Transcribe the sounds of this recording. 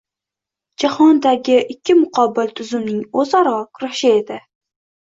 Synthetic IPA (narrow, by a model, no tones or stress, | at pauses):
d͡ʒahɒnd̪aɡʲɪʔɪkʲʰːɪmʊqʰɒbɪlt̪ʰʊzʊmnɪŋozɒɾɒkʰʊɾaʃɪe̞d̪ɪ